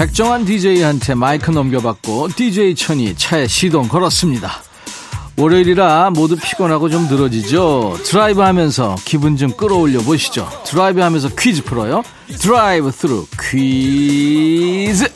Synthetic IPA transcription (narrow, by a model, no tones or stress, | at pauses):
pe̞k̚t͡ɕ͈ʌŋɦandid͡ʑeihantʰe̞maikʰɯnʌmɡjʌbak̚k͈otid͡ʑe̞it͡ɕʰʌɲḭt͡ɕʰaeɕʰidoŋkʌɾʌs͈ɯmɲida | wʌɾeiɾiɾamodupʰi̥ɡʌnɦaɡot͡ɕomnɯɾʌd͡ʑid͡ʑotɯɾaibɯhamjʌnsʰʌ̰kibund͡ʑɯmk͈ɯɾʌoʎːʌboɕʰi̥d͡ʑo̰tɯɾaibɯhamjʌnsʰʌkʰɥid͡ʑɯpʰɯɾʌjo | tɯɾaibɯtʰɯɾukʰɥi | d͡ʑɯ